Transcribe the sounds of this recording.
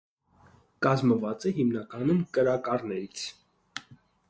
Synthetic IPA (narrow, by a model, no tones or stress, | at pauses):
kɑzməvɑt͡sɛɦimnɑkɑnumkəɾɑkɑrnɛɾit͡sʰ